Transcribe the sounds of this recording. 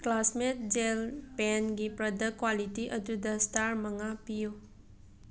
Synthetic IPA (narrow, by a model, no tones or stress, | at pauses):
klasmetd͡ʒelpɛnɡipɾəd̪əkwaliʈiʔəd̪ud̪ast̪aɾməŋapijo